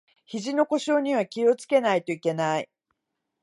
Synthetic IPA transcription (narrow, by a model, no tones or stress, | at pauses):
çiʑino̞ko̞ɕo̞ːɲ̟iβ̞akʲio̞t͡sɨ̥ke̞nait̪o̞ike̞nai